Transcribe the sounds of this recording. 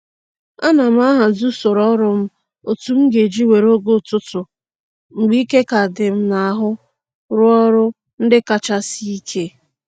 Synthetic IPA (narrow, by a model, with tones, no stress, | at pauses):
a˦na˨m̩˦a˦ɦa˨zu˦so˨ɾɔ˦ɾʊ˦m̩˦ | o˨tu˨˦m̩˦ɡe˨d͡ʒi˦we˨ɾo˦ɡo˦˨tʊ˦tʊ˨ | ŋ͡m̩˨ɡ͡bi˦ke˦ka˨dɪ˨m̩˦na˨a˨ɦʊ˦ | ɾʊ˦ɔ˦ɾʊ˦ | n̩˦dɪ˦ka˦t͡ʃa˦si˦i˦kʰe˦